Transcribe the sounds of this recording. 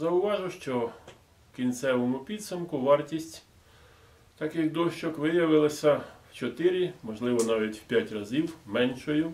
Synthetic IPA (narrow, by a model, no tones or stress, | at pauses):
zɐʊʋɑʒʊʃt͡ʃɔ | wkʲint̪sɛʋɔmʊpʲid̪sʊmkʊʋɑrtʲisʲtʲ | t̪ɐkɪxd̪ɔʃt͡ʃɔkʋɪjɐʋɪlˠɐsʲɐw̥t͡ʃɔt̪ɪɾʲimɔʒlˠɪʋɔnɑʋʲitʲwpʲjatʲrɐzʲiwmɛnʃɔjʊ